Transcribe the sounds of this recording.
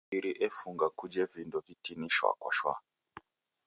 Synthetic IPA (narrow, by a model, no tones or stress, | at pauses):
iɾiʔefuŋɡakud͡ʒevindovitiniʃwa̰kwa̰ʃwa̰